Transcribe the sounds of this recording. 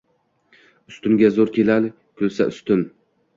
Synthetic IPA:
ʊst̪ʊŋɡʲazoɾkʲʰelalɪ | kʲʰɵlsa̰ʔʊst̪ʊn

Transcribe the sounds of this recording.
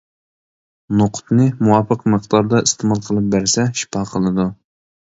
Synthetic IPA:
noqʰʊ̥t̪nɨmuwɑpəqmɨqd̪ɑɾd̪ɑist̪ʰemɑlˠqʰəlˠɨp̚bæɾsɛʃi̥pɑqʰəlˠɨd̪u

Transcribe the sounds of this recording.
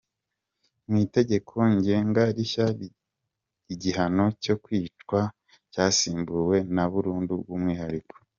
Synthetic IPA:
mite̞ɟe̞kʰo̞ɲɟe̞ːŋɡaɾiça | iɟiɦano̞co̞kwiːt͡ʃkwa | caːsiːmbuwe̞naβuɾuːnduɡɡumŋiːhaɾiko̥

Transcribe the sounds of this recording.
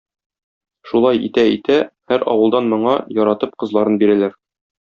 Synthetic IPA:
ʃulˠɑjḭt̪æit̪æhæɾɒ̰wɤ̆lˠd̪ɑnmɤ̆ɴɑjɒɾɑt̪ɤp̚qɤ̆zlˠɑɾɤnbiɾælæɾ

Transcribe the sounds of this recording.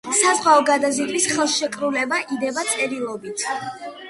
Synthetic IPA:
sazʁwaɔɡad̪azid̪visχɛlˠʃɛkʼɾulɛbaʔid̪ɛbat̪sʼɛɾilˠɔbit̪ʰ

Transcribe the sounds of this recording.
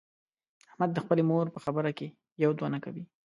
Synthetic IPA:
ahmad̪ːəxpəlemoɾpəxabəɾake | jawd̪wanakawi

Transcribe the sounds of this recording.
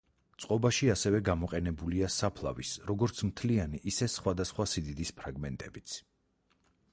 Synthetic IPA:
t̪sʼqʼɔbaʃiasɛvɛɡamɔqʼɛnɛbuliasapʰlˠa̰visɾɔɡɔɾt̪sʰmt̪ʰlianiʔisɛsχwad̪asχwasid̪id̪ispʰɾaɡmɛnt̪ʼɛbit̪sʰ

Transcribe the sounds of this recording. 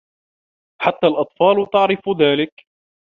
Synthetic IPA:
ħat̪ːaːlʔɑt̪ˤfɑːlʊt̪ɑʕɾɪfðaːlɪk

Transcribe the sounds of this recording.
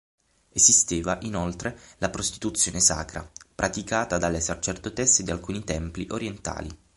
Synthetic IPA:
ezist̪eːvaʔinolt̪ɾelapɾost̪i̥t̪ut̪sːjoːnesa̰ːkɾa̰pɾʔat̪ikaːt̪ad̪alːesat͡ʃerd̪ot̪ɛsːed̪ialkuːnit̪ɛmpliʔoɾjent̪a̰ːlḭ

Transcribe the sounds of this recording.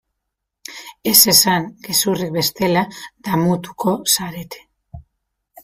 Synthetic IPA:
e̞se̞saŋɡesurik̚be̞st̪e̞lad̪̥amut̪u̥kʰo̞saɾe̞t̪ʰe̥

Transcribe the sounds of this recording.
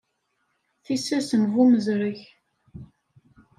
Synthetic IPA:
θisːæsəmɦuməzɾəç

